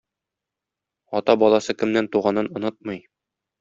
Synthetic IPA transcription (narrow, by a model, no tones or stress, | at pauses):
ɒt̪ɑbɒlˠɑsɤkɘ̆mnænt̪uʁɑnɤnŏnɤt̪̚mɤj